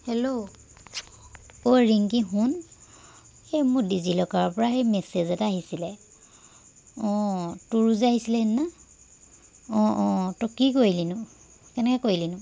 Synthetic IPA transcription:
helo | oɹiŋkiɦun | ejmʊkdizilɔkaɹɔpɔɹaɦejmɛsezɛtaɦisilɛ | ɔ̃tuɹuzaɦisilɛnna | ɔ̃ɔ̃tɔkikojilinʊ | kɛnɛkɔkoilinʊ

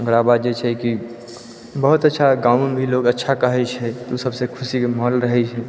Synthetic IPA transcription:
ə̃ŋɡɾabad̪d͡ʒet͡ʃʰɛki | bəɦut̪ətːʃʰaɡaːʊmbʱiloɡətːʃʰakəɦɛt͡ʃʰɛt̪usəbsekʰʊsikeməɦəlɾəɦɛt͡ʃʰɛ

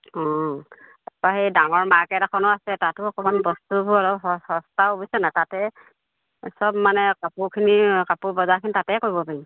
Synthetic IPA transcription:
ɔ | tapaɦejdaŋɔɹmakɛɾakʰɔnɔasɛtatʊɔkɔmanbɔstubuaɹɔɦɔhɔstaobisɛnatatɛ | sɔbmanɛkapukʰinikapubɔzakʰinitatɛkoɹibɔpaɹi

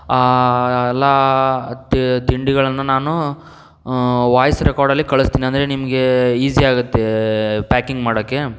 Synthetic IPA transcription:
aːɛlːa | t̪t̪iɳɖiɡɐɭɐnːunaːnu | ʋaːjɐsɾʔɛkaːɾɖɐlːikɐɭust̪iːniɐnd̪ɾe̞nimɐɡeiːsiaːɡut̪ːepaːkiŋɡmaːɽoːkːe̞

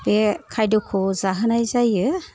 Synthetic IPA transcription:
bekʰajdukʰɔzaɦɯnajzajɯ

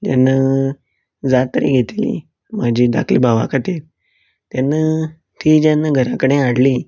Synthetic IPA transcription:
d͡ʑanːa | d͡zat̪ɾḭːɡʱet̪lḭ | mad͡ʑʱiːd̪a̰kʰlḭːbʱaʋa̰kʰət̪iɾ | t̪janːa | t̪ʰiːd͡ʑanːaɡʱəɾakəɽ̃ẽaɽliː

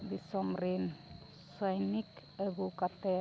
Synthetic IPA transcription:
disɔmɾin | sajnik | əbukat̪ɛ

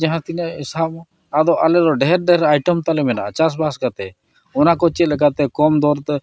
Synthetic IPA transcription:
d͡ʒaɦãt̪inaisab | ad̪ɔʔalɛɾɔɖɛɦɛɾɖɛɛɾajʈɔmt̪alɛmɛnaʔat͡ʃas̬baskat̪ɛ | ɔnakɔt͡ʃɛt̪lɛɡat̪ɛkɔmd̪ɔɾt̪

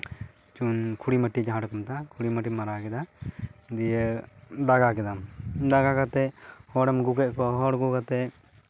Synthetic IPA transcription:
t͡ʃunkʰuɽimaʈid͡ʒaɦãɽɔkɔmt̪akʰuɽimaʈimaɾakɛd̪a | d̪ijɛd̪aɡakɛd̪amd̪aɡakat̪ɛhɔɽɛmɡukɛʔ̚kɔɦɔɽɡukat̪ɛ

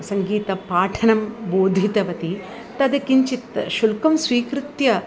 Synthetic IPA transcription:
sɐŋɡiːt̪ɐpaːʈʰɐnɐmboːd̪ʱit̪ɐʋɐt̪i | t̪ɐd̪ɐkiɲt͡ʃit̪ʃulkɐmsʋiːkɾut̪jɐ

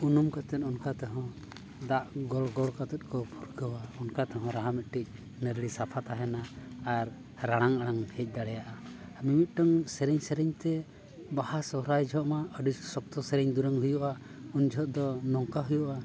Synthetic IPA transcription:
unumkat̪ɛnɔnkat̪ɔɦɔ̃ | d̪aʔɡɔlɡɔɭkat̪ɔt̪̚ˀkɔpʰuɾɡəwaɔnkat̪ɔɦɔ̃ɾaɦamɛt̪̚ˀʈic̚ˀ | nəɾlisapʰat̪aɦɛnaːɾ | ɾaɽ̃aŋaɽ̃aŋʰɛc̚ˀd̪aɽɛjaʔaəmimit̪̚ˀʈaŋsɛɾɛɲsɛɾɛɲt̪ɛ | bahasɔɦɾajd͡ʒʱɔʔmaəɖisɔk̚t̪ɔsɛɾɛɲd̪uɾəŋɦujɔʔa | und͡ʒʱɔʔ̪̚d̪ɔnɔŋkaɦujɔʔa

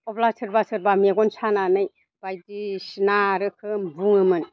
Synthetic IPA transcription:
ɔblasʰɯɾbasɯɾbameɡɔnsananɯj | b̥ajdisinaɾɯkʰɯmbuŋɯmɯn

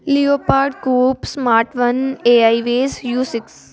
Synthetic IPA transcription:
lioːpaːɾɖɡuːpsmaːɾʈʋəneaiʋeːsjuːsɪks

